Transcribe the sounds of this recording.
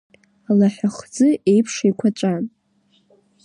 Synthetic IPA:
laħʷᶣaχd͡zɨʔe̞jpʰʂajkʷʰat͡ʃʷʼa

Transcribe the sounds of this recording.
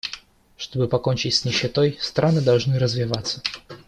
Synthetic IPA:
ʂt̪o̞bɨpɐkonʲt͡ɕɪtʲsʲnʲɪɕːɪt̪ojst̪ɾanɨd̪ɐlˠʐnɨɾəzvʲɪvat̪sːə

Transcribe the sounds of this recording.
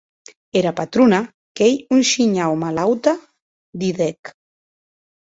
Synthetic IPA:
eɾapat̪ɾuna | kejunʃiɲawmalawt̪a | d̪iðɛk

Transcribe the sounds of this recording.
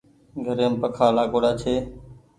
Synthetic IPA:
ɡʱəɾeːmpəkʰaːlaːkoːɗaːt͡ʃʰeː

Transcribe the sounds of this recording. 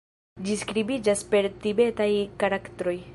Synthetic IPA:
d͡ʒiskɾibid͡ʒaspe̞ɾt̪ibe̞tajkaɾaktɾo̞j

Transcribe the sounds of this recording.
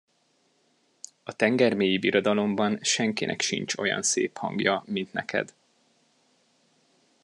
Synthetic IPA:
ɒt̪ɛŋɡɛrmeːjibiɾo̞d̪ɒlo̞mbɒnʃɛŋkinʔɛ̰kʃḭnt͡ʃo̞̰jɒ̰nsḛːphɒ̰ŋɡjɒmint̪nɛkʰɛ̰d̪

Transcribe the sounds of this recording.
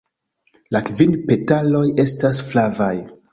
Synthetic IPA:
lakvinpe̞talo̞je̞stasflavaj

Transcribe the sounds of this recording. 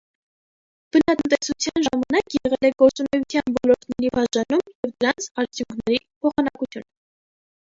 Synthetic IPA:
b̥ənɑt̪ənt̪ɛsut͡sʰjɑnʒɑmɑnɑkjɛʁɛlɛɡ̥ɔɾt͡sunɛjut̪ʰjɑnvɔlɔɾt̪nɛɾibɑʒɑnumjɛvd̪əɾɑnt͡sʰɑɾt͡sʰjuŋkʰnɛɾi | pʰɔχɑnɑkut͡sʰjun

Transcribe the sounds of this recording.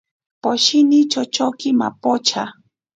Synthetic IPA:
poʃinit͡ʃot͡ʃokima̰pot͡ʃʰa

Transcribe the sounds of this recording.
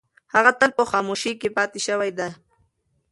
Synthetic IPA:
haɢɑt̪alpoxɑːmuʃikɪpɑːt̪ɪʃawajd̪a

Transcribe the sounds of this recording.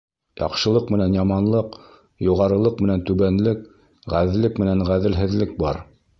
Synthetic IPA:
jɑ̰qʃɤ̆lˠɤqmɘ̆nænjɑmɑnlˠɤq | juʁɑɾɤ̆lˠɤq̚mɘ̆nænt̪ʉβænlɘk̚ | ʁæðɘ̆lːɘk̚mɘ̆nænʁæðɘ̆lɦɘ̆ðlɘk̚bɑɾ

